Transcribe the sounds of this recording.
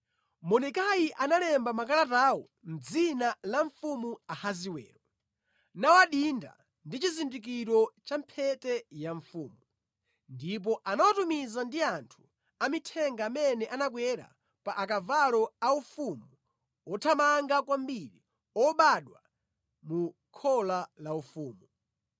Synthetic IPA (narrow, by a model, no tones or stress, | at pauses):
mɔnɛkajiʔanalɛmbamak̬alataːwɔ | n̩d͡zinalaɱfumuahaziwɛ̰ːɾɔ | nawaɗinda̰ | ndit͡ʃizindik̬iɾɔt͡ʃampʰɛtɛjaɱfuːmu | ndip̬ɔʔanawatumizandiantʰu̥ | amitʰɛŋɡaːmɛnɛʔanak̬wɛɾa̰ | paʔakavalɔaufumu | ɔtʰamaŋɡak̬wambiɾi | ɔɓaɗwa | mu | kʰɔlalaufuːmu